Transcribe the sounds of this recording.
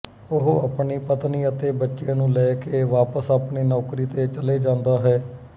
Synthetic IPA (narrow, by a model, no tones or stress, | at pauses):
ʊɦoaːpɳiːpət̪niːət̪eːbətːʃẽːnũːlɛːkeːʋaːpəsaːpɳiːnɔːkɾiːt̪eːt͡ʃəleːd͡ʒãːnd̪aːɦɛː